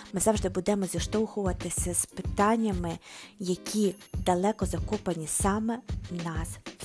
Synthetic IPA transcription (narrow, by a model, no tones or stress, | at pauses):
mɪzɑwʒd̪ɪbud̪ɛmɔzʲiʃt̪ɔwxʊʋɐt̪ɪsʲɐspɪt̪ɑnʲːɐmɪjɐkʲʰid̪ɐlˠɛkɔzɐkupɐnʲisɑmɛnɑs